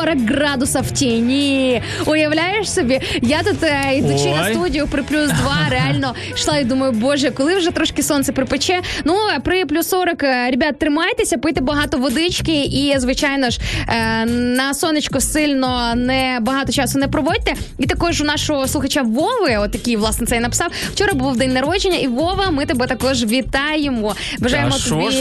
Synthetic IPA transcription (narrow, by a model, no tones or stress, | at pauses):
ɔɾɐkːɾɑd̪ʊsɐwtʲinʲi | ʊjɐwlʲajeʃsɔbʲijat̪ut̪id̪ut͡ʃɪnɐst̪udʲijʊpɾɪplʲusd̪ʋɑɾeɑlʲnɔ | ʃlˠɑid̪umɐjʊbɔʒɛkɔlˠɪwʒɛt̪ɾɔʃkɪsɔnsɛpɾɪpɪt͡ʃɛnupɾɪplʲusːɔɾɐkɾʲebʲat̪̚t̪ːɾɪmɑjt̪esʲɐpɪjt̪ɛbɐɦɑt̪ɔʋɔd̪ɪt͡ʃkɪizʋɪt͡ʃajnɔʒ | nɐsɔnɪt͡ʃkɔsɪlʲnɔnɛbɐɦɑt̪ɔt͡ʃɑsʊnɛpɾɔʋɔd̚ʲt̪ɛ | it̪ɐkɔʒʊnɑʃɔɦɔslˠʊxɐt͡ʃaʋɔʋɪɔt̪jɐkʲiʋlˠɑsnɛt̪sɛjnɐpɪ̥sɑww̥t͡ʃɔɾɐbʊwd̪ɛnʲnɐɾɔd͡ʒɪnʲːɐʔiʋɔʋɐmɪt̪ɛbɛt̪ɐkɔʒʋʲit̪ɑjemɔ | bɐʒɑjemɔi